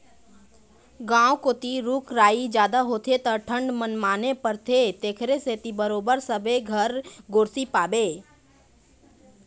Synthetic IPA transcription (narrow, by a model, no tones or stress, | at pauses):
ɡãːwkoːt̪iɾuːkɾaːid͡ʒjaːd̪aɦoːt̪ʰet̪əʈʰə̃ɳɖmənmaːnepəɾt̪ʰet̪eːkʰɾeset̪ibəɾoːbəɾsəbeɡʱəɾɡoːɾsipaːbeː